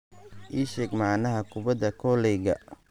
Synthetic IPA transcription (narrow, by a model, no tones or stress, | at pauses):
ʔiːʃɛːɡmɑʕnɐɦɐkʰʊbɐd̪ɐkʰɔlɛːɡɐ̰